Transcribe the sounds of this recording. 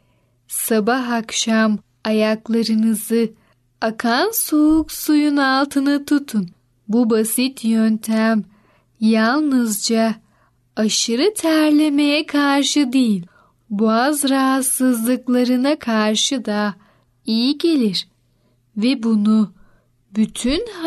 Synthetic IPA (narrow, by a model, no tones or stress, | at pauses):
sabaɦakʃam | ajaklˠaɾɯnɯzɯ | akʰansuɦuksujunalˠt̪ʰɯnat̪ʰut̪ʰun | bubasit̪ʰjønt̪ʰæm | jalˠnɯzd͡ʒa | aʃɯɾɯt̪ʰæɾlʲe̞me̞jɛkʰaɾʃɯd̪ejilʲ | buazɾaɦat̪sɯzlˠɯklˠaɾɯnakʰaɾʃɯd̪a | ijiɟe̞lʲiɾ̥ | vɛbunu | byt̪ʰyn